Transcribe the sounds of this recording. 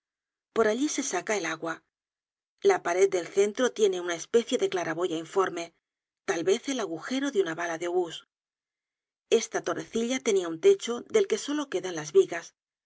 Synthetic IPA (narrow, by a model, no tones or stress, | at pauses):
po̞ɾaʎise̞sakae̞laɣwa | lapaɾe̞d̪̚d̪e̞lθe̞nt̪ɾo̞t̪je̞ne̞unae̞spe̞θje̞ðe̞klaɾaβo̞ʝaiɱfo̞ɾme̞ | t̪alβe̞θe̞laɣuxe̞ɾo̞ðeunaβalaðeoβus | e̞st̪at̪o̞re̞θiʎat̪e̞niaunt̪e̞t͡ʃo̞ðe̞lke̞so̞lo̞ke̞ðanlazβiɣas